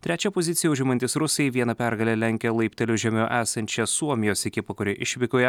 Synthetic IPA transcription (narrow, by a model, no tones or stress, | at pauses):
t̪ʲɾʲæːt͡ʃʲɛpozʲɪt̪sʲɪjɛʊʒʲɪmɐnʲt̪ʲɪsɾʊsʲɛjɛɪʋʲiɛnɐpʲæɾɡɐlʲɛlʲɛŋʲkʲɛlˠɐɪpʲt̪ʲɛlʲʊʒʲɛmʲoːʔæːsɐnʲt͡ʃʲɛsuɔmʲɪjoːsʲɛkʲɪpɐkʊɾʲɪʔɪʃʲʋʲɪkʲoːjɛ